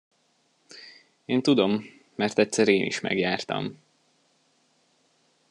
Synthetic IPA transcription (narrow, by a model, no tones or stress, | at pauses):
eːnt̪ud̪o̞mː | ɛrt̪ɛt̪sɛɾeːnʔḭʃmɛ̰ɡjaːrt̪ɒ̰m